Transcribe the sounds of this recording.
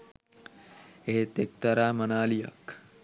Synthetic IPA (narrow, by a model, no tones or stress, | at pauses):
eɦet̪ek̚t̪ɐɾaːmɐnaːlijɐ̰k